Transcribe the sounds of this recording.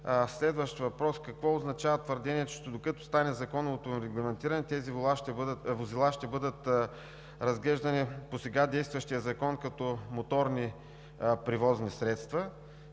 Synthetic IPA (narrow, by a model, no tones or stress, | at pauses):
slɛd̪vɐʃt̪vɐpɾɔskɐkvɔʊznɐt͡ʃavɐt̪vəɾd̪ɛniɛt̪t͡ʃd̪okɐt̪ʊ̥st̪anɛzɐkɔnɐot̪oɾɛɡlˠɐmɛnt̪iɾɐnɛt̪ɛziavozilˠaʃt̪ɛbɤd̪ət̪ | ɾɐzɡlɛʒd̪ɐniposɛɡad̪ɛjst̪vɐʃt̪iəzɐkɔnkɐt̪ɔmot̪ɔɾni | pɾivɔznisɾɛt̪st̪vɐ